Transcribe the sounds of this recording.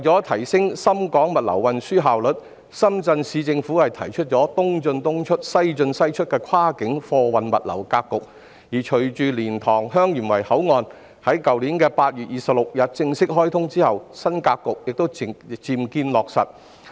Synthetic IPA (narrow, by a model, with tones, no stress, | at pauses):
t͡sɔː˨˥t̪ʰɐ˨˩jsɪ˥ŋsɐ˥mkɔː˨˥ŋmɐ˨t̚lɐ̰˨˩wwɐ˨nsyː˥ɦaː˨wlɵ˨˩t̚ | sɐ˥mt͡sɐ˧nsiː˨˧t͡sɪ˧ŋfu˨˥hɐ˨jt̪ʰɐ˨˩jt͡ʃʰɵ˥t̚t͡ʃɔː˨˥t̪ʊ˥ŋt͡ʃɵ˧nt̪ʊ˥ŋt͡ʃʰɵ˥t̚sɐ˥jt͡ʃɵ˧nsɐ˥jt͡ʃʰɵ˥t̚kɛː˧kʰaː˥kɪ˨˥ŋfɔː˧wɐ˨nmɐ̰˨t̚lɐ̰˨˩wkaː˧kːʊ˨k̚ | jiː˨˩t͡ʃʰɵ˨˩t͡ʃyː˨˧liː˨˩nt̪ʰɔː˨˩ŋɦœː˥ŋjyː˨˩nwɐ˨˩jhɐ˨˥wŋɔː˧n | hɐ˨˥jkɐ˨wliː˨˥nkɛː˧paː˧t̚jyː˨t̚jiː˨˩sɐ˨p̚lʊ˨k̚jɐ˨t̚t͡sɪ˧ŋsɪ˥k̚hɔː˥jt̪ʰʊ˥ŋt͡siː˥hɐ˨wsɐ˥nkaː˧kːʊ˨k̚jɪ˨k̚t̪o˥wt͡siː˨˧mkiː˧nlɔː˨k̚sɐ̰˨t̚